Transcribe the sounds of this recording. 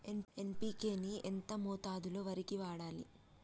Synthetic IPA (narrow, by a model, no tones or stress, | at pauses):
e̞mempiːke̞ːniʔḛnt̪ɐmoːt̪aːd̪ulo̞ːʋɐɾikiʋaːɽaːlḭ